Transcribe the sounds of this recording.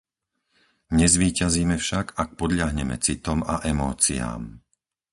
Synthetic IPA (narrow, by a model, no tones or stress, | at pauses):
ɲɛzʋiːcaziːmɛfʃaɡak̚pɔd̪ʎaɦɲɛmɛ̰t͡sit̪ɔma̰ʔɛmɔːt͡sia̰ːm